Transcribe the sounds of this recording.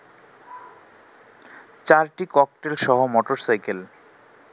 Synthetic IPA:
t͡ɕaɾʈikɔk̚ʈelʃɔɦomɔʈoɾsajkel

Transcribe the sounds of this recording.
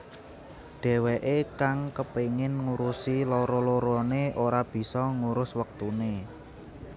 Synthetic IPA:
ɖ̥ɛ̤weʔekaŋkəpeŋɪnŋuɾusiloɾɔloɾɔneʔoɾab̥i̤sɔŋuɾʊswək̚t̪une

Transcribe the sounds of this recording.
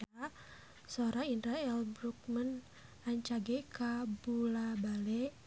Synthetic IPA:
a | soɾainɾaɛlbɾuk̚mən | aɲt͡ʃaɡɛkabulabalɛʔ

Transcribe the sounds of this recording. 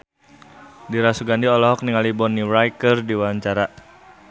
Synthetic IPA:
diɾasuɡandiɔlɔɦɔk̚niŋalibɔniɾajkərdiwaɲt͡ʃaɾa

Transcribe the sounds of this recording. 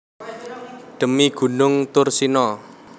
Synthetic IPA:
ɖ̪̥ə̤miɡ̥ṳnʊŋt̪ʊrsinɔ

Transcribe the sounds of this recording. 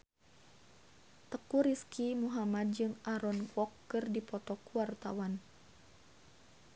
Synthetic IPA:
t̪əkuɾiskʰimuɦamad̚d͡ʒɨŋaɾɔnkɔkːɨrdipɔt̪ɔkuwart̪a̰wan

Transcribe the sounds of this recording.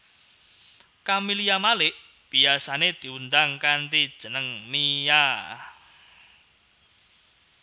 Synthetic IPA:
kamilijamalɪʔ | b̥iasaned̪̥i̤und̪aŋkant̪id̥ʒ̥ənəŋmija

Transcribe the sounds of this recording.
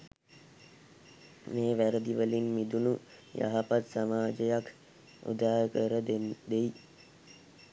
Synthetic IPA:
meːʋæɾəd̪iʋəlinmid̪unu | ja̰ɦapat̪samaːd͡ʒəjak | ṵd̪aːɦəkəɾəd̪d̪ej

